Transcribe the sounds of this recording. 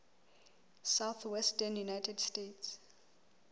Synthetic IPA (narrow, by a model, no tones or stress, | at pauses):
sawθwɛstənjunajtʰɛdstets